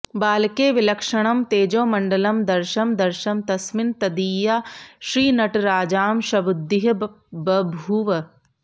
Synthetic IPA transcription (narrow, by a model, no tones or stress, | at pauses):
baːlkeːʋɪlɐkʃɐɽ̃ɐmt̪eːd͡ʒõːmɐ̃ɳɖɐlɐmd̪ɐɾʃɐmd̪ɐɾʃɐmt̪ɐsmɪnt̪ɐd̪iːjaːʃɾiːnɐʈɾaːd͡ʒaːmʃɐʋʊd̪ːɪɦɐ | bɐbʱuːʋɐ